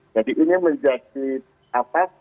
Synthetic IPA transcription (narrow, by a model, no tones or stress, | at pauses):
d͡ʒadiʔːniməɲd͡ʒakit̪̚ | apa